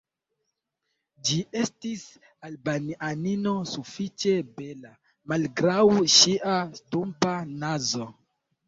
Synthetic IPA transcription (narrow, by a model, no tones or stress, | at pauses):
d͡ʒiʔe̞stis | albananino̞sufit͡ʃe̞be̞la | malɡɾawʃiʔastumpanazo̞